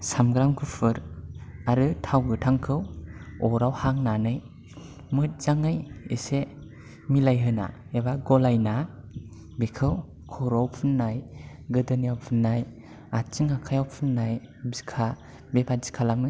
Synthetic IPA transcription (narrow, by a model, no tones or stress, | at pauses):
samɡɾamkʰɯpʰɯɾaɾɯtʰawɡɯtʰaŋkʰɯwɔɾawhaŋnanɯj | mɯt̚z̥aŋajḛse | milajɦɯna̰ebaɡɔlajna | bekʰɯw | kʰɔɾawpʰɯnːaj | ɡɯdɯnijawpʰɯnːaj | at͡ʃiŋakʰajawpʰɯnːajbzikʰa | bepʰazi̥kʰalaŋɯ